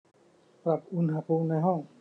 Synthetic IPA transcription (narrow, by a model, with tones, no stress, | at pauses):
pɾa˨p̚ʔu˧˥nha˧pʰuː˧mna˧jɦɔ˥˩ŋ